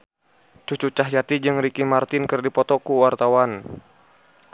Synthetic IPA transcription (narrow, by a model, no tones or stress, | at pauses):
t͡ʃut͡ʃut͡ʃaɦjat̪id͡ʒɨŋɾikimart̪ɪnkərdipɔt̪ɔkuwart̪awan